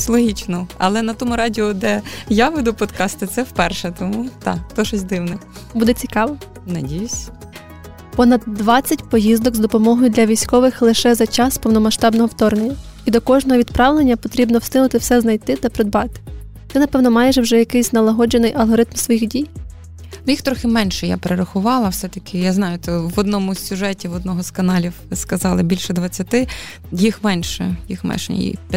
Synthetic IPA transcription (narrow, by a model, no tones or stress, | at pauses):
slˠɔɦʲit͡ʃnɔɐ̰lˠɛnɐt̪ɔmʊɾɑdʲɪɔd̪ɛjaʋɪd̪ʊpɔt̪kɑst̪ɪt̪sɛwpɛrʃɛt̪ɔmut̪ɑ̰kt̪ɔʃɔsʲd̪ɪwnɐ | bud̪ɛt͡sʲikɑʋɔ | nɐdʲijʊsʲ | pɔnɐd̪ːʋɑt͡sʲːɐtʲpɔjizd̪ɔɡzd̪ɔpɔmɔɦɔjʊd̪lʲɐʋʲijsʲkɔʋɪxlˠɪʃɛzɐt͡ʃɑspɔwnɔmɐʃt̪ɑbnɔɦɔwt̪ɔrnɪnʲɐ | id̪ɔkɔʒnɔɦɔʋʲid̪pɾɑʋlˠenʲːɐpɔt̪ɾʲibnɔwst̪ɪnʊt̪ɪwsɛznɐjt̪ɪt̪ɐpɾɔd̪bɑt̪ɪ̥ | t̪ɪnɐpɛwnɔmɑjɛʒwʒɛjɐkɪjsʲnɐlˠɐɦɔd͡ʒenɪjʔɐlˠɦɔɾɪt̪msʋɔjixdʲij | nʊjixt̪ɾɔxɪmɛnʃɛja̰peɾeɾɐxʊʋɑlˠɐwsɛt̪ɐkʰɪjaznɑjʊt̪ɛʋɔd̪nɔmʊsʲuʒɛtʲiʋɔd̪nɔɦɔskɐnɑlʲiwɪskɐzɑlˠɪbʲilʲʃɛd̪ʋɐt͡sʲːɐt̪ɪ | jixmɛnʃɛ̰jḭxmɛ̰ʃn̰ʲjḭ